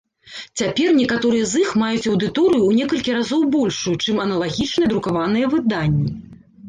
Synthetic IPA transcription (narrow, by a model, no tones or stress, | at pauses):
t͡sʲapʲɛrnʲɛkat̪ɔɾɨjɛzɨxmajut͡sʲɐwd̪ɨt̪ɔɾɨjuːnʲɛkɐlʲkʲiɾazɔwbɔlʲʂujut͡ʂɨmɐnɐlˠaɣʲit͡ʂnɨjɛd̪ɾukavanɨjɐvɨd̪anʲːi